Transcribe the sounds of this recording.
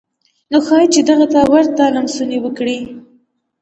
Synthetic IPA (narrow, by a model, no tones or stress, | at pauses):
noxɑjt͡ʃed̪aɣat̪awaɾt̪alamsunewəkɽi